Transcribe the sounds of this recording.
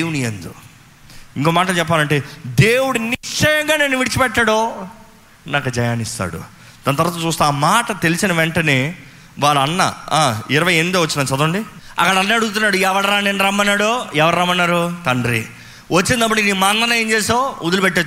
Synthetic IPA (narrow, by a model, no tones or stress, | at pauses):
unijend̪ṵ | iŋkoːmaːʈɐlt͡ʃɛpːaːlɐɳʈe̞ːd̪eːwuɽuniʂɐjɐŋɡaːneːnːuʋiɽit͡ʃipɛʈːaːɽo | nakːɐd͡ʒɐjaːnist̪a̰ːɽṵ | d̪̥ɐnːɐt̪ɐɾʋaːt̪ɐt͡ʃuːst̪eaːmaːʈɐt̪e̞lisinɐʋɛɳʈɐneː | ʋaːɽɐɐnːɐ̰aːiɾɐʋɐjeːnmid̪oːʋɐt͡ʃːinaːt͡ʃɐd̪uɳɖiɐ̰kːɐɽɐɐnːɐɐɽuɡut̪̬unːaːɽuɛʋɐɽɐɾaːneːnɾɐmːɐnːaːɽoɛʋɐɾɐɾɐmːɐnːaːɾut̪ɐɳɖɾi | ʋɐt͡ʃːint̪ɐp̬ːɐʈikiniːmaːnd̪ɐnɐjent͡ʃeːsoud̪ulupeʈːe